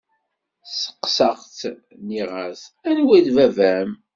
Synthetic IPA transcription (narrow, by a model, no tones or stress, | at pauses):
sə̥qːsɑʁt̪ | niʁasænwiðvævæm